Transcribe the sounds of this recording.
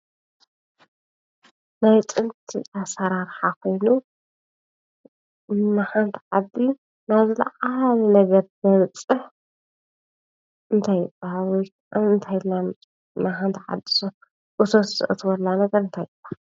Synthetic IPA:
najt̪ʼɨnt̪ʰḭasɐɾaɾħakʰo̞jnu | maħant̪ʰʕad̪ːi | naβzɨlɐ̰ʕalnɐɡɐɾbɐβɨt͡sʼɨħ | ɨnt̪ʰajɨbːahalwɔjkʔamɨnt̪ʰajlːamʼ | maħant̪ʰʕa̰d̪ːi̥so | ʔɨsʰot̪zɨ̰ʔɨt̪ʰwɐlːanɐɡɐɾɨnt̪ʰajɨbːahal

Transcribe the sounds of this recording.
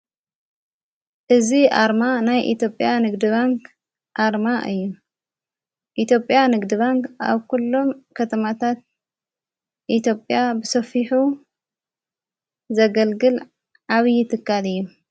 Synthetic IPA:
ʔɨziʔa̰ɾmanajʔḭt̪jo̞pʼjanɨɡd̪ɨβaŋkʰ | ʔaɾmaʔɨjːu | ʔit̪jo̞pʼjanɨɡd̪ɨβaŋkʔa̰βkulːo̞mkʰɐt̪ʰɐmat̪ʰat̪̚ | ʔit̪ʰjo̞pʼjabɨsɐfiħu | zɐɡɐlɡɨl | ʕaβjɪt̪ʰɨkːalɨjːu

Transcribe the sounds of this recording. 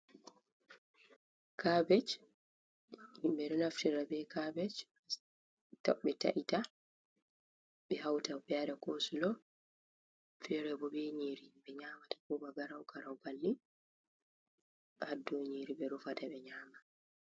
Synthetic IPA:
kabɛt͡ʃ | imbɛɾɔlaftiɾabɛkabɛt͡ʃ | ta̰ɓɛta̰ʔita | ɓɛhawtabɛaɾakosulɔ | fɛɾɛbɔbɛɲiɾibɛɲaːmatḁkɔbaɡaɾawɡaɾawbalːi | ʔadːɔɲiːɾibɛɾufataɓɛɲaːma

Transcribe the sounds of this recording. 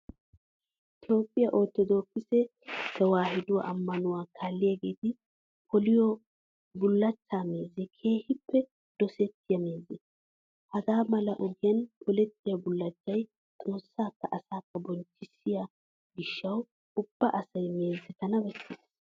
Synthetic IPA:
ɪt̪o̞ːpʼːɪjɐʔoːt̪ːɔd̪o̞ːkːɪsɛ | kːɐwaːhɪd̪ʊwa̰ʔɐmːɐnʊwaːkʰaːlːɪjɐɡeːt̪ɪ | pʰɔlɪjɔ | bʊlːɐt͡ʃːaːme̞ːzɪkʰe̞ːhɪpːɛ | d̪̥ɔsɛt̪ːɪjɐme̞ːzɪ | hɐɡaːmɐlɐʔɔɡɪjɐnpʰɔlɛt̪ːɪjɐbʊlːɐt͡ʃːɐj | t̪ʼo̞ːsːaːkːɐʔɐsaːkːɐbɔnt͡ʃːɪsːɪja | ɡɪʃːɐw | ʊb̥ːɐʔɐsɐjme̞ːzːɛt̪ɐnɐbɛsːɪd̪

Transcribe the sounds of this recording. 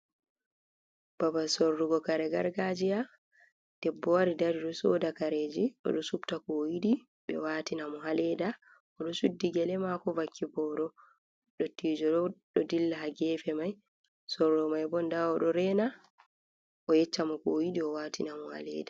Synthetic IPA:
b̥abasɔɾːuɡɔkaɾɛɡaɾɡad͡ʒija | d̥ɛbːɔwaɾidaɾiɗɔsɔdakaɾed͡ʒiʔɔ̰ɗɔsubtakɔjiɗi | ɓɛ̰waːtinamɔɦalɛda | ɔɗɔsudːiɡɛlɛmakɔvakʰːibɔɾɔ | ɗɔtːid͡ʒɔɗɔɗɔdilːaɦaɡɛfɛmaj | sɔrːɔmajbɔndaɔɗɔɾɛːna | ʔɔjɛt͡ʃːamɔkojiɗiɔwatinamɔha̰lɛ̰da

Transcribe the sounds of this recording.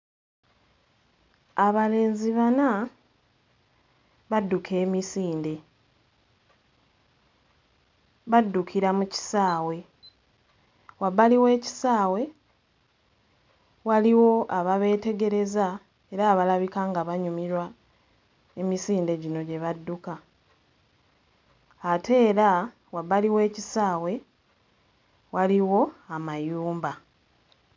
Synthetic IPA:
aβale̞ːnziβana | βadːukʰe̞ːmisiːnde̞ | βadːukʰiɾamuci̥saːwe̞ | waβaliwe̞ːci̥saːwe̞ | waliwo̞aβaβe̞ːte̞ɡe̞ɾe̞za | e̞ɾaːβalaβikaŋɡaβaɲumiɾwa | e̞misiːnde̞ɟino̞ɟe̞βadːuka | tʰe̞ːɾa | waβaliwe̞ːcisaːwe̞ | waliwo̞amajuːmba

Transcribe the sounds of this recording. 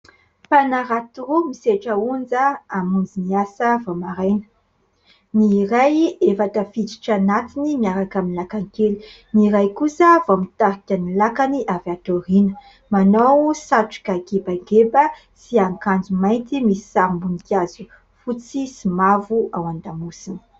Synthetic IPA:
panaɾat̪urumiseʈ͡ʂəund͡zəamund͡ziniasəvomaɾajnə̥ | niɾajefat̪əfit̪i̥ʈ͡ʂanat̪inimiaɾakaminlakaŋkeli̥ | niɾajkusəvomit̪aɾikʲanilakaniʔavat̪oɾinə | manawsaʈ͡ʂu̥kaɡebaɡebə | siaŋkand͡zumajnt̪imisi̥sambunikʲjazu | fut͡sisimavuawand̪amusini̥

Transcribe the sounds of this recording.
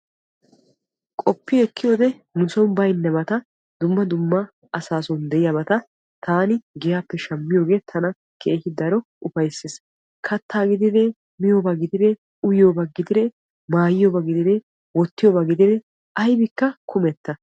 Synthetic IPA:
kʼɔpːɪɛkːɪjoːd̪ɛnʊsɔnbɐjnːɛbɐt̪ɐ | d̪ʊmːɐd̪ʊmːɐ | ɐsaːsɔnd̪ɛʔɪjɐbɐt̪ɐ | t̪ʰaːnɪɡɪjaːpːɛʃɐmːɪjo̞ːɡe̞ːt̪ʰɐnɐ | kʰeːhɪd̪ɐɾɔʔʊfɐjsɪs | kʰɐt̪ːaːɡɪd̪ɪd̪ɛ | mɪjoːbaɡɪd̪ɪd̪ɛ | ʊjɪjoːbɐɡɪd̪ɪd̪ɛ | maːjɪjobɐɡɪd̪ɪd̪ɛ | wɔt̪ːɪjoːbɐɡɪd̪ɪd̪ɛ | ɐjbɪkːɐkʰʊmɛt̪ːɐ

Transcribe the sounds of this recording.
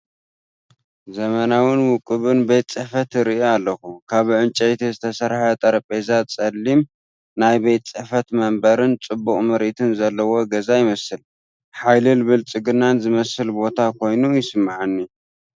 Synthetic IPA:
zɐmɐnawɨnwʊkʼːɨβɨnbejt̪ʼt͡sʼɨħfɐt̪ɾiʔioalːɐxukʰaβʕɨnt͡ʃʼɐjt̪ʰizɨt̪ʰɐsɐɾħat̪ʼɐɾɐpʼezat͡sʼɐlːim | najbejt̪ʼt͡sʼɨħfɐt̪mɐmbɐɾɨnt͡sʼɨbːukʼmɐɾʔit̪ʰɨnzɐlːɐwo̞ɡɐzajɪmɐsɨl | ħajlɨlβɨlt͡sʼɨɡɨnːanzɨmɐsɨlbo̞t̪ʰakʰo̞jnujɪsɨmːaʕanːi

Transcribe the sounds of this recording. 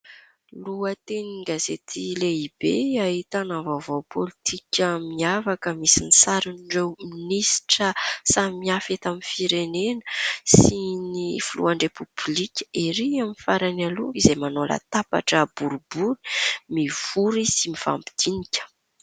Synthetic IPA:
luət̪eniɡazet̪ʰileib̥eaɦit̪anavavowpʰolit̪ʰikʲəmiavakəmisinisaɾinɖ͡ʐewminisi̥ʈ͡ʂəsamiafet̪amifiɾenenəsinifulṵaɳɖ͡ʐepub̥likʲə̥ʔiɾiamifaɾanaluizemanola̰t̪apa̰ʈ͡ʂəbuɾubuli̥miv̥uɾisimifa̰mpi̥d̪̥inikʲə̥

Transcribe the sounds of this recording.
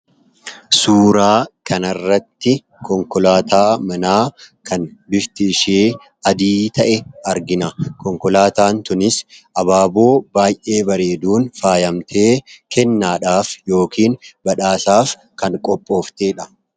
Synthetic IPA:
suːɾaːkʰɐnɐrːɐt̪ːɪ | kɔŋkɔlaːt̪ʰaːmɐnaːkɐnbɪɾt̪ɪʃeː | ɐd̪iːt̪ɐʔɛɐɾɡɪnɐkɔŋkɔlaːt̪aːnt̪ʊnɪsʔɐbaːbo̞ːbaːjʔe̞ːbɐɾe̞ːd̪uːnfaːjɐmt̪ʰe̞ːkɛnːaːᶑaːfjo̞ːkiːnbɐᶑaːsaːf | kɐŋkʼɔpʼːo̞ːft̪eːᶑɐ̥

